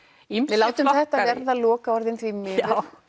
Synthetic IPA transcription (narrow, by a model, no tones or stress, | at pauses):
imɪðlawwt̪ʏmθɛht̪avɛɾðalɔːkaɔɾðɪnθvimɪːðʏɾ